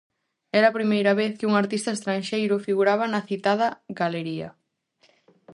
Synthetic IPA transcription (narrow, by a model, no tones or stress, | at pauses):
ɛɾɐːpɾimejɾɐβeθkɪuŋaɾt̪ist̪ɐest̪ɾanʃejɾʊfiɣuɾaβɐnɐθit̪að̞ɐɣaleɾiɐ̰